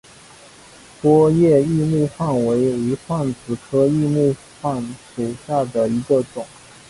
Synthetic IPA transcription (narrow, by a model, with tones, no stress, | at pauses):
pwɔ˥jɛ˥˧i˥˧mu˥˧xwa˥˩nwe˧˥ɪi˧˥xwa˥˩nt͡sɹ̩˨˩kʰɤ˥i˥˧mu˥˧ | xwa˥˩nʂu˨˩ɕja˥˩d̪ə˩i˧˥ɡə˧ʈ͡ʂʊ˨˩˦ŋ